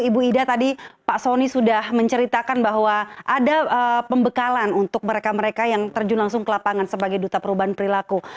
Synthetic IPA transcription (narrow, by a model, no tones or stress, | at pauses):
ibuidat̪adipaʔsonisudahməɲt͡ʃəɾit̪akanbaɦwaʔadaəpəmbəkalanunt̪ʊk̚məɾekaməɾekajaŋt̪ərd͡ʒunlaŋsʊŋkəlapaŋansəbaɡajdut̪apəɾubaɦanpəɾilaku